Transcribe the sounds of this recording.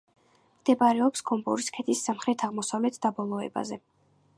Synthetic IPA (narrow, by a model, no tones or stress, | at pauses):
md̪̥ɛbaɾɛɔpskʰɔmbɔɾiskʰɛt̪ʰisːamχɾɛt̪ʰaʁmɔsavlɛt̪ʰd̪abɔlˠɔɛ̰ba̰zɛ